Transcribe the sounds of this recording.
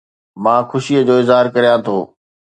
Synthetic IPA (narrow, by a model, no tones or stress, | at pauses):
mãːxʊʃiəd͡ʑoːɪzɦaːɾkɐɾijãt̪ʰoː